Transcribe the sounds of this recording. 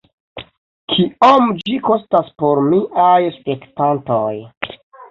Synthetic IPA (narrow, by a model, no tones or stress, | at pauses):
kʰiomd͡ʒiko̞staspo̞ɾmiʔajspe̞ktantoj